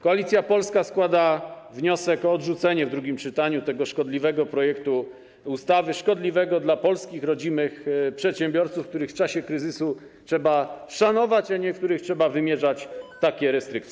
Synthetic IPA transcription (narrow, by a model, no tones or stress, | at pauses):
kɔalʲit̪sʲjapɔlskaskwad̪a | vɲɔsɛkɔːdʐut̪sɛɲɛvd̪ɾuɡʲimt͡ʂɘt̪aɲut̪ɛɡɔʂkɔd̪lʲivɛɡɔpɾɔjɛkt̪u | ust̪avɘʂkɔd̪lʲivɛɡɔd̪lapɔlskʲixɾɔd͡ʑinɘxpʂɛt̪ɕɛmbʲjɔɾt̪sufːk̚t̪uɾɘxft͡ʂaɕɛkɾɘzɘsu | ʂɛbaʂanɔvat͡ɕaɲɛk̚t̪uɾɘxtʂɛbavɘmʲjɛʐat͡ɕt̪akʲɛɾɛst̪ɾɘk̚t̪sʲɛ